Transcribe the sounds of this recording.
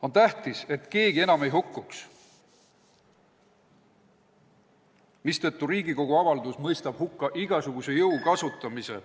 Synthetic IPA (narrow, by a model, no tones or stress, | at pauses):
o̞nt̪æht̪ise̞t̪ːˑke̞ːɡ̥ie̞nɑme̞jɦukːˑuks | mist̪et̪ːˑuɾiːɡiko̞ɡ̥uɑvɑld̪usmɤjst̪ɑb̥hukːɑʔiɡ̥ɑsuɡ̥use̞jɤwkɑsut̪ˑːɑmise̞̰